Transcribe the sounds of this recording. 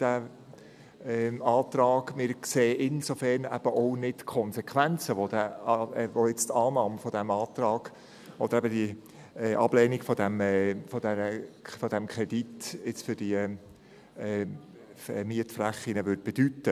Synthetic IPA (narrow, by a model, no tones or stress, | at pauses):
d̥æ | ɛɑːt̪ɾɑːɡmɪɾkseːʔɪnsofæɾnæ̰b̥əʔɔʊnɪtkʰɔnsɛkʰʋænt͡səʋodæ | vojɪt͡stɑlmɑmfɔd̪æmɑːt̪ɾɑːɡ̥ | ʔɔd̪əɾæbədi | ɛʔɑb̥lɛːniɡ̥fɔd̥̪æmɛfɔd̥̪ɛɾəfɔd̥æmkʰɛd̥itɪt͡sfʏɾd̥iə | ɛmiətflæχːinəvʏɾd̥̚b̥ɛd̥yt̪ːə